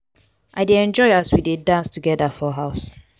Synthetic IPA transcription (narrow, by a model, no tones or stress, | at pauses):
ʔaɪdeɛ̃nd͡ʒɔɪaswidedãnstuɡɛdafɔɦaʊs